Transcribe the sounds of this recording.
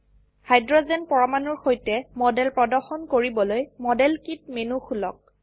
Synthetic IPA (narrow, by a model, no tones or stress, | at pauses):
hajdɹɔzɛnpɔɹɔmanuɹxojtɛmɔdɛlpɹɔdɔɹxɔnkoɹibɔlojmɔdɛlkit̚menuxʰulɔ̰k̚